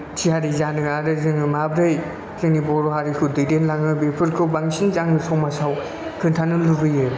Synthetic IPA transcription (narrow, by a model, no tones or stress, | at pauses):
tʰihaɾizanɯaɾɯzɯŋɯmabɾɯj | lɯŋnibɔɾɔɦaɾikʰɯdɯjdenlaŋɯbepʰɯɾkʰɯwbaŋsinzaŋnɯsawmasaw | kʰɯntʰanɯluɡɯjɯ